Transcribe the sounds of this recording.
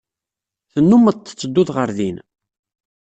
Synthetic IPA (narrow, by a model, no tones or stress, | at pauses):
θənːumːəðt̪ːə̥t͡sːəd̪ːʊðʁəɾðin